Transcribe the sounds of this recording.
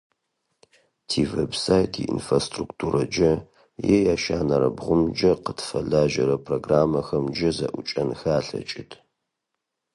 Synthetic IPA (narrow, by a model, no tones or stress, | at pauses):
tʰiːvebsaːjtʰḭʔḭnfrastruktʰuːɾʔɐd͡ʒɐ | jejaːʃaːnɐɾɐ̰bʁʷʊmd͡ʒɐqətʰfɐɮaːʒɐɾɐpʰroɡraːmɐxɐmd͡ʒɐzɐʔʷʊt͡ʃʼɐnxaːɬɐ̰t͡ʃʼɪtʰ